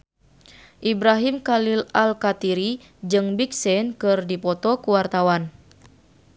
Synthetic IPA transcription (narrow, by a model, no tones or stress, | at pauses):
ʔibɾaɦimkalilalkat̪iɾi | d͡ʒɨŋbik̚sɛnkɨrdipɔt̪ɔkuwart̪awan